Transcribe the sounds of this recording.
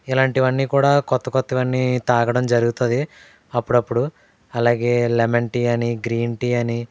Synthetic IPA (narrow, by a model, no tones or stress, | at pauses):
ilaːɳʈiʋɐnːiːkuːɽaːkɔt̪ːɐkot̪ːiʋɐnːit̪aːɡɐɽɐmd͡ʒɐɾuɡut̪ond̪i | ɐpːuɽɐpːuɽu | ɐlaːɡe̞ːlemeɳʈiːɐniɡɾiːɳʈiːɐni